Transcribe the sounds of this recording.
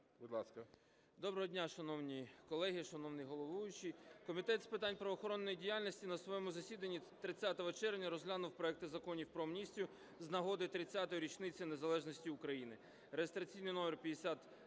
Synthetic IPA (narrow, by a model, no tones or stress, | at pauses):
bud̪lˠɑskɐ | d̪ɔbɾɔɦɔdʲnʲaʃɐnɔwnʲikɔlˠɛɦɪʃɐnɔwnɪjɦɔlˠɔʋujʊt͡ʃijkɔmʲit̪ɛt̪spɪt̪anʲpɾɔʋɔxɔɾɔnːɔjidʲijalʲnʲisʲtʲinɐsʋɔjɛmʊzɐsʲid̪ɐnʲːit̪ɾɪt͡sʲat̪ɔʋɔt͡ʃɛrʋnʲɐɾɔzʲɦlʲanʊwpɾɔɛk̚t̪ɪzɐkɔnʲiwpɾɔmnʲisʲtʲjʊ | znɐɦɔd̪ɪt̪ɾɪt͡sʲːat̪ɔjɾʲit͡ʃnɪt͡sʲɐnezɐlˠɛʒnɔsʲtʲiʊkɾɐjinɪ | ɾeɦest̪ɾɐt͡sʲijnɪjnɔmʲɛrpʲjɐd̪esʲat̪